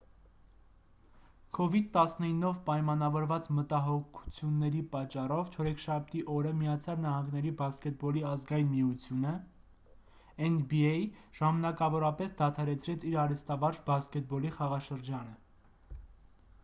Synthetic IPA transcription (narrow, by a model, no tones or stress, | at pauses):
kʰɔvid̪̚t̪ɑsnəinːɔvpɑjmɑnɑvɔɾvɑt͡smət̪ɑɦɔkʰu̥t͡sʰjunːɛɾipɑt͡ʃːɑrɔvt͡ʃʰɔɾɛkʰʃɑp̚ʰt̪iʔɔɾəmijɑt͡sʰjɑlnɑɦɑŋɡnɛɾibɑskɛt̪̚bɔliɑzɡɑjinmiut͡sʰjunə | ɛnbiɛjʒ̥ɑmɑnɑkɑvɔɾɑpɛsd̪ɑt̪ʰɑɾɛt͡sʰɾɛt͡sʰiɾɑɾɛst̪ɑvɑɾt͡ʃbɑskɛt̪̚bɔliχɑʁɑʃəɾd͡ʒɑnə